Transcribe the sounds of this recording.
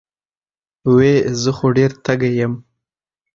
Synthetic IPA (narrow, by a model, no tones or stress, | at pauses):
wezəxoɖeɾt̪aɡajəm